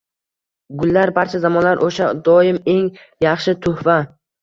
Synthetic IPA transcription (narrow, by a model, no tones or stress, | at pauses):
ɡʊlːaɾbaɾt͡ʃʰazamɒnlaɾʔoʃad̪ɒɪme̞ŋ | jɑχʃɪt̪ʰʊhva